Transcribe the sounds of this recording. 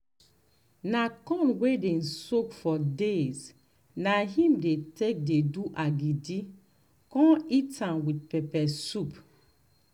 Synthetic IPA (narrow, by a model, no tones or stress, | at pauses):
nakɔ̃nwedɛ̃nsokfɔdez | naɦĩmdetek̚deduʔaɡidi | kɔ̃itãmwit̚pɛpɛsup